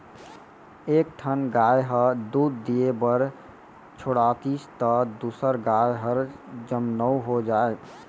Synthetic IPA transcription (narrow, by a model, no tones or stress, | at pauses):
ekʈʰənɡajɦəɾd̪ud̪ːijebəɾ | t͡ʃʰoɽat̪ist̪əd̪usəɾɡajɦəɾd͡ʒəmnəuɦod͡ʒae